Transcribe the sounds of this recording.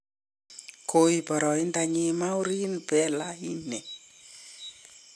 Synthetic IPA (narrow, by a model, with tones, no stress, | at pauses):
kʰo˨i˨pɔ˨ɾɔ˨ɪ˦nda˧˨ɲi˦˧ma˦u˦ɾi˦npɛ˦la˦i˦nɛ˨